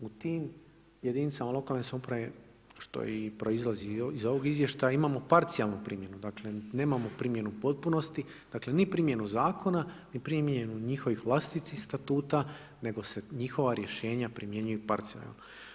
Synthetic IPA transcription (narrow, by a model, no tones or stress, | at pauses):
ut̪iːm | jed̪init̪samalˠo̞kalˠnesaupɾaʋe | ʃt̪o̞̰ipɾo̞izlˠaziizo̞ʋoɡizʋje̞ʃt̪ajaimamo̞paɾt̪sijalˠnupɾiːmje̞nud̪aːkle̞ne̞ːmamo̞pɾimje̞nupo̞t̪̚puno̞st̪i | d̪akle̞nipɾimje̞nuzaːko̞na | nipɾimjenuɲixo̞ʋixʋlˠast̪it̪ixst̪at̪uːt̪a | ne̞ɡo̞se̞ɲixo̞ʋaɾje̞ʃe̞ːɲapɾimje̞ɲujupaɾt̪sija̰lno